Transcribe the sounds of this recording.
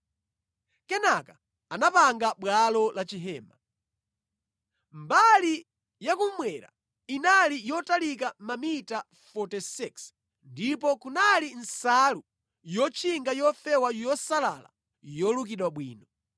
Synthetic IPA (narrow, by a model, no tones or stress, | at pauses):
kɛnaka | anapaŋɡaɓwalɔlat͡ʃiɦɛːma | mbali | jakum̩mwɛɾa̰ | inalijɔtalikamamita | fɔtisiks | ndipɔkunalin̩salu | jɔt͡ʃʰiŋɡajɔfɛwajɔsala̰la̰ | jɔluk̬iɗwaɓwiːnɔ